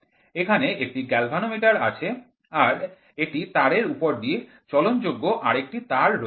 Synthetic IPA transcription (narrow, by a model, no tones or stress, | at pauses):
ekʰaneekʈiɡɛlbʱanomiʈaɾa̰t͡ɕʰe | aɾ | eʈit̪aɾeɾupoɾd̪ie | t͡ɕɔlont̪d͡ʑoɡːoʔaɾek̚ʈit̪aɾɾo